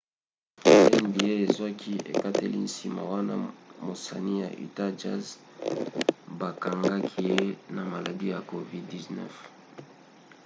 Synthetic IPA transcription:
e˦nbi˨je˦e˨zwa˦kʰi˦ḛ˨ka˦te˦li˦n̩si˨ma̰˨wa˦na̰˦mo˨sa˨ni˦ja̰˨ʔḭ˨ta˦d͡ʒa˦z | ba˨ka˨ŋɡa˦kʰi˦je˦na˨ma˨la˨di˦ja˨ko˨vi˦ddi˨znɛ̰˦f

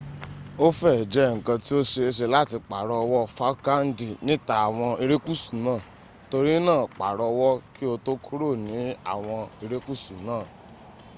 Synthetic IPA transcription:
o˦fɛ˦˨d͡ʒɛ˨˦˨ŋ̩˨kã˧ti˦o˦ʃe˧e˧ʃ̬e˧la˦˨ti˧k͡pa˨ɾɔ˧wɔ˦˨fa˦ka˦n̩˦di˨nĩ˨˦ta˧˨a˨w̃ɔ̃˧i˧ɾe˦ku˦˨su̥˨nãː˦˨ | to˧ɾi˦nãː˦˨k͡pa˨ɾɔ˧wɔ˦ki˦o˧to˦kʰu˦ɾo˦˨nĩ˨˦a̰˦˨w̃ɔ̃˧i˧ɾe˦ku˦˨su˨nãː˦˨

